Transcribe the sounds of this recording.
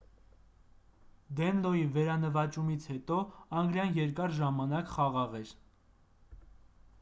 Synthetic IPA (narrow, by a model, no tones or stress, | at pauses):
d̪ɛnlɔivɛɾɑnəvɑt͡ʃumit͡sʰhɛt̪ɔɑŋɡɾjɑnjɛɾkɑɾʒɑmɑnɑkχɑʁɑʁɛɾ